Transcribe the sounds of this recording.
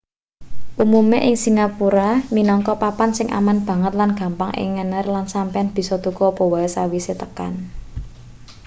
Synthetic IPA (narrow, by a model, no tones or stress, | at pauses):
ʔumumeʔɪŋsiŋapuɾaminɔŋkɔpapansɪŋʔa̰manb̥a̤ŋət̪lanɡ̥ä̤mpaŋʔɪ̰ŋːənərlansampeanb̥i̤sɔt̪ukɔpɔwaɛsawiset̪əka̰n